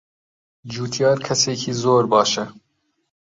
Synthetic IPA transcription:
d͡ʒuːt̪ʰjɑːɾkʰɛseːkʰiːzoːɾbɑːʃɛ

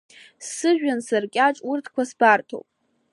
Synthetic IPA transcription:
sɨʒᶣansarkʲʼaʈ͡ʂʼurtʰkʷʰasbartʰo̰wpʼ

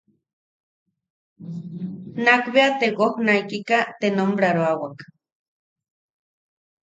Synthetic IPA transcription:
nakbeat̪eɣohnajkikat̪enombɾaɾoawak

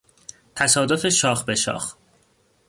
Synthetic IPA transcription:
t̪ʰæsɒːd̪o̞fe̞ʃɒːxbeʃɒ̰ːx

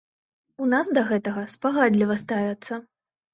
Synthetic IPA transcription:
unasd̪ɐɣɛt̪ɐɣɐspaɣad̪lʲivɐst̪avʲɐt̪sːɐ

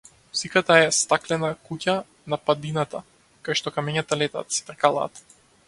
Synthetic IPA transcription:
sikat̪aɛst̪aklɛnakuca | napad̪inat̪a | kajʃt̪ɔkamɛɲat̪alɛt̪a̰t̪sɛ̥t̪ɾkalˠa̰ːt̪

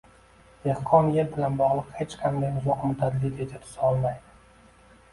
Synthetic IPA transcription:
d̪ehqʰɒnjeɾbɪlanbɒʁlˠɨqhet͡ʃkʲʰamd̪ajʊzɒqmʊt̪ʰad̪lid̪ed͡ʒ̪at̪ʰʊ̥sɒlˠmajd̪ɪ

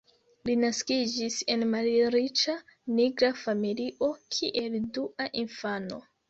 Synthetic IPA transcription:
linaskid͡ʒise̞nmalɾit͡ʃaniɡɾafamiliʔo̞kʰiʔe̞lduʔaʔinfano̞̰

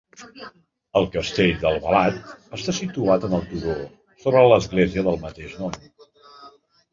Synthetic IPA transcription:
əlˠkəst̪eʎd̪əlˠβə̰lat̪əst̪asit̪uat̪ənəlˠt̪uɾo | soβɾələzɣlɛziəðəlˠmət̪eʃnɔm

